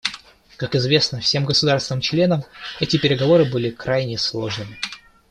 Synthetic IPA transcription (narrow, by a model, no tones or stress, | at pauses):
kakɪzvʲe̞snəfsʲe̞mɡəsʊd̪arst̪nɨmt͡ɕlʲe̞nəmɛtʲɪpʲɪɾʲɪɡɐvo̞ɾɨbɨlʲɪkɾajnʲɪslˠo̞ʐnɨmʲɪ